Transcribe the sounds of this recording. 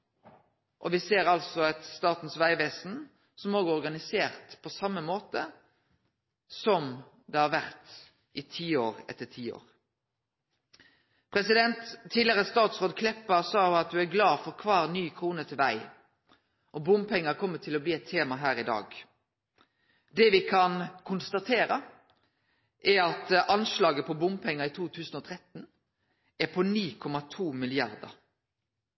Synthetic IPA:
ʔɔʋɪseːɾɑlsɔɑt̪st̪ɑːt̪n̩sʋæɪʋeːsn̩ | sɔmoːɡəɔʁɡɑnɪseːʁt̪pʰɔsɑmːəmoːt̪ə | sɔm | d̪ɛhɑɾʋæʁt̪ | ʔɪt̪ʰiːoːʁɛ̰t̪ːəʈʰiːo̰ːʁ | pʰɾɛsɪd̪ɛnt̪ʰːiːd̪lɪəʁəst̪ɑːt̪sʁoːd̪kʰlɛpːɑsɑːʉɑt̪̚d̪ʉæɾɡlɑːfɔɾkʰʋɑːʁnyːkʰʁuːnət̪ʰɪlʋæɪ | ʔɔbʊmpʰɛŋːɑkʰɔmːəʈʰɪlɔbliːɛt̪ʰːeːmɑɦæːɾɪd̪ɑ̰ːɡ | d̪ɛʋɪkʰɑnkʰʊnst̪ɑt̪ʰeːɾə | ʔæɑt̪ʔɑnʃlɑːɡəpʰɔbʊmpʰɛŋːɑit̪ʰuːt̪ʰʉːsən̩ɔːt̪ʰʁɛt̪n̩ | æpʰɔniːkʰɔmɑt̪ʰuːmɪlɪɑɾd̪ə̰ɾ

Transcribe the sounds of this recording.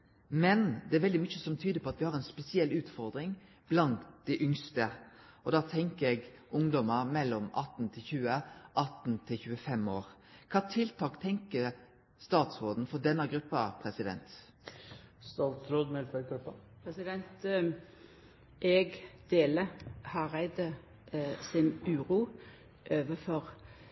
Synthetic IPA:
mɛnd̪ɛæɾʋɛld̪ɪmʏçəsɔmt̪ʰyːd̪əpʰɔɑt̪ʋɪhɑɾɛnspɛsɪɛlʉːt̪fɔɾd̪ɾɪŋ | b̥lɑnt̪d̪̥æʔʏŋst̪əʔɔd̪ɑːt̪ʰɛŋkəɾɛɡʔʊŋd̪ɔməɾmɛlːɔmɑ̰t̪ːnt̪ʰɪlçʉːəʔɑt̪n̩t̪ʰɪlçʉːəfɛmoːɾ | kʰɑːt̪ʰɪlt̪ʰɑːkt̪ʰɛŋkəɾ | st̪ɑːt̪sɾoːd̪n̩fɔd̪ɛnːəɡɾʉpːɑpʰɾɛsɪd̪ɛ̰nt̪ | st̪ɑlt̪ɾoːd̪mɛlt̪ʋæɡɾʉpːɑ | pʰɾɛsɪd̪ɛnt̪ | ʔɛɡd̪̥eːləhɑʁæɪd̪ə | sɪnʉːɾuː | ʔøːʋəfɔʁ

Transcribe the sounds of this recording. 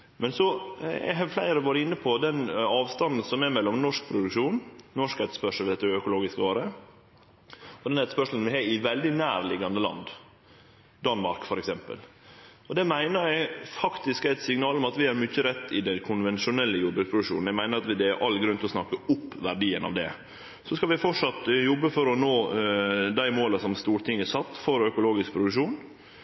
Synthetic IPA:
mʔɛnsɔɛ̰ɦɑflæɪɾəʋɑːɾəɪnːəpʰɔd̪ɛnɑːʋst̪ɑnd̪n̩sɔmɛmɛlːɔmnɔʂk̚pʰɾʊd̪ʉkʂuːnnɔʂkæt̪ə̥spœʂəlʋɪd̪ɛt̪ːəəœkʊloːɡɪskəoːɾə | ɔd̪ɛnæt̪əspœʂl̩n̩ʋɪhɑːɪʋɛld̪ɪnæːɾlɪɡɑnd̪əlɑ̰nd̪ | d̪ɑnmɑ̰ɾkfɔɾɛksɛmpə̰l | ɔd̪ɛmæɪnəɾæɪfɑkt̪ɪskæɪt̪sɪŋnɑːlɔmɑt̪ʋɪæɾmʏçːəɾɛt̪ːɪd̪ɛnkʰʊnʋɛnʃʊnɛlːəjʊb̪bɾʉːkspɾʊd̪ʉkʂṵːnnæɡmæɪnəɾɑt̪ʋɪd̪ɛɾʔɑlːɡɾʉnt̪ɪlɔsnɑkːəʊpːʋæɾɖiːənɑ̰ʋd̪ɛ̰ | sɔskɑlʋɪfɔʈʂɑt̪jɔbːəfɔɾɔnoː | d̪æɪmoːləsɔmst̪uːɾʈ̪ʰɪŋəsɑt̪ːfɔɾœkʊloːɡɪsk̚pʰɾʊd̪ʉkʂuːn

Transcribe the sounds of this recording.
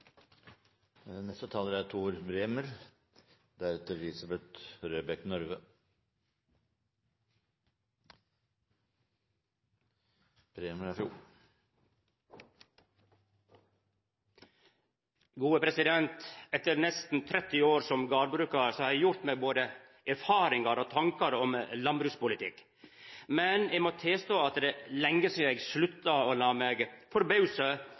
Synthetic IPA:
nɛst̪ət̪ʰɑːləɾæʈ̪ʰuːɾbɾeːməɾ | d̪æɾɛt̪əɾlɪsɑbɛt̪ɾøːbɛknɔɾʋə | b̥ɾeːməɾæfjuː | ɡuːəpʰɾɛsɪd̪ɛnt̪ɛt̪əɾnɛst̪n̩t̪ʰɾɛt̪ːɪoːɾsɔmɡɑːɾbɾʉːkɑɾsɔhɑɾɛjʊɾt̪meːboːd̪ə | ʔæɾfɑːɾɪŋɑɾot̪ʰɑŋkɑɾɔmlɑnbɾʉːkspʊlɪt̪ʰɪ̰kː | mɛnɛɡmɔt̪ʰeːst̪oːɑt̪d̪ɛlɛŋːəsɔjɛɡslʉt̪ːɑoːlɑːmeːɡfɔɾbɑʉsə

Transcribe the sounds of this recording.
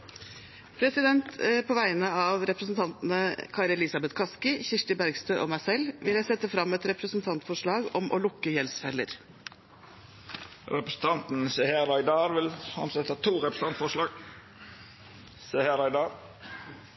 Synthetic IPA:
pʰɾɛsɪd̪ɛnt̪pʰoːʋæɪnəɑʋɾɛpɾəsnt̪ʰɑnt̪n̩əkʰɑːɾəlɪsɑbɛt̪kʰɑskɪçɪʂʈɪbæɾɡst̪øːʔoːmæɪsɛlːʋɪljæɪsɛt̪ːəfɾɑmːɛt̪ɾɛpɾəsn̩t̪ʰɑnt̪fɔʂɭɑːɡɔ̰mʔɔ̰lʊkːəjɛlsfɛlːə̰ɾ | ɾɛpɾəsn̩t̪ʰɑnt̪n̩sɛheɾɑɪd̪ɑːɾʋɪlɑ̰msɛt̪hɑːt̪ʰuːɾɛpɾəs̩ɑnt̪fɔʂlɑːɡ | sehæɾɑɪd̪ɑːɾ

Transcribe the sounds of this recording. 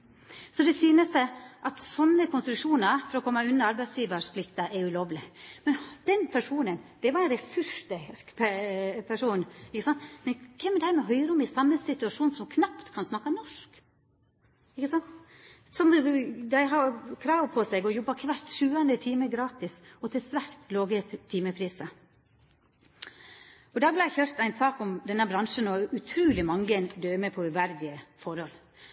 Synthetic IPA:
sɔd̪ɛsyːnəsæʔɑt̪sɔnːəkʰʊnst̪ɾʉkʂuːnɑɾfɔɾɔkʰɔmːɑʉnːɑɾɑɾbæɪd̪sjiːʋəʂpʰlɪkt̪ɑʔɛɾʉloːʋlɪmɛnd̪̥ɛnpʰæʂuːnənd̪̥ɛʋɑɾɛnɾɛsʉʂd̪ɛppʰæʂuːnɪkːəsɑnt̪mɛnkʰɛmːɛd̪ɛhæːɾmɛɦœʏɾəɔmɪsɑmːəsɪt̪ʉɑʂuːnsɔmkʰnɑpt̪kʰɑnsnɑkːɑnɔʂk | ɪkːəsɑnt̪ | sɔmd̪æɪɦɑkʰɾɑːʋpʰɔsɛɡɔjɔbːɑkʰʋæɾt̪ʃʉːənd̪ət̪ʰiːməɡɾɑːt̪ɪsɔt̪ʰɪlsʋæɾt̪loːɡət̪t̪ʰːiːməpʰɾiːsə | ɔd̪ɑːblæɪçøɾt̪æɪnsɑːkɔmd̪ɛnːəbɾɑnʂənɔʉt̪ʰɾʉːlɪmɑŋːənd̪øːmɛpʰɔʉʋæɾd̪ɪəfɔɾhɔl

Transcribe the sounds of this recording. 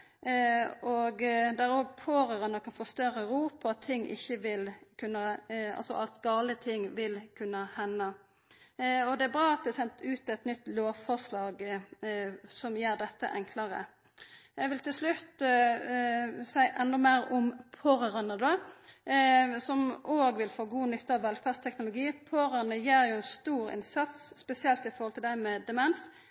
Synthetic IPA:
ʔɔɡd̪æɾoːɡpʰoːɾəʁɑnəkʰɑnfɔst̪œɾəʁuːpʰɔɑt̪ʰːɪŋːʔɪ̰çːəʋɪlkʰʉnːəɑ̰lsɔʔɑ̰lt̪ɡɑːlət̪ʰɪŋːʋɪlkʰʉnːəhɛnːə | ɔd̪ɛæbʁɑːɑt̪̚d̪ɛːsɛnt̪ʉːt̪ɛt̪nʏt̪ːloːʋfɔʁslɑːɡ | sɔmjeːɾd̪ɛt̪ːə̰ʔɛŋkʰlɑɾə̰ | ɛʋɪlt̪ʰɪlslʉt̪ | sæɪʔɛnːɔmæɪɾʊmpʰoːɾəʁɑnəd̪o | sɔmʔoːɡʋɪlfoːɡuːnʏt̪ʰːəɾɑʋɛlfæːst̪ʰɛknʊlʊɡiːpʰoːɾənəjeːɾjʊɛnst̪uːɾɪ̰nsɑt̪sspɛsɪɛlt̪ɪfɔɾʁhɔlt̪ʰɪld̪æɪmɛd̪ɛmɛns

